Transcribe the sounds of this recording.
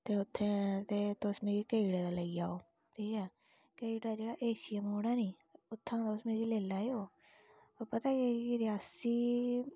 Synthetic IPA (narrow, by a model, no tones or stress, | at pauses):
t̪eːʊt̪ʰːẽːt̪eːt̪osmeːɡiːkeːɽaːd̪aːləiːa̰ːoː | ʈʰiːkɛː | keːiɽaːd͡ʒeːɽaːʔeːʃɪjəmɦoːɽaːnĩː | ʊt̪ʰːãːt̪ʊsmeːɾiːleːlaːeːoː | oːpət̪aːɡeːkiɾɪaːsiː